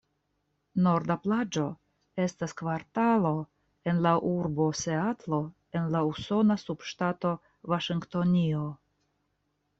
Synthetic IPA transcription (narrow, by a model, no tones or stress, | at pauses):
no̞ɾdaplad͡ʒo̞ | e̞staskvaɾtalo̞ | e̞nlaʔuɾbo̞se̞atlo̞ | e̞nlauso̞nasubʃtato̞ | vaʃiŋkto̞nio